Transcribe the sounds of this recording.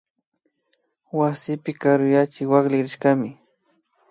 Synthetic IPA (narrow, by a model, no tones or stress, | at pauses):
wasɪpɪkaɾʊjat͡ʃɪwaklɪɾɪʃkamɪ